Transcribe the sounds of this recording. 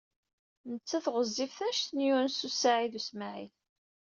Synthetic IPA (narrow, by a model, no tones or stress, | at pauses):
nət͡sːæθʁəzːifθæʃθnjuɾnsusaʕiðusmaʕiθ